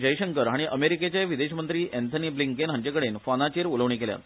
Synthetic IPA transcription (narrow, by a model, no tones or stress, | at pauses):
d͡ʑəjɕəŋkəɾɦaɽ̃iʔəmeɾiket͡ɕjaʋid̪eɕmənt̪ɾiːʔɛnt̪ʰəniːbliŋkenɦaɲt͡ɕekəɽenfanat͡ɕeɾuləʋɳ̃ikelja̰t̪